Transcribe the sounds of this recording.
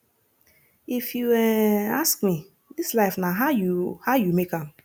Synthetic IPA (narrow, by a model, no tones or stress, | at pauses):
ifjuɛaskmi | dislaɪfnaɦajuhaʊjumekãm